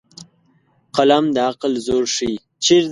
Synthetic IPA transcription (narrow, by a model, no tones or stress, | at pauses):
qalamd̪əaqlzoɾʂi | t͡ʃiɾ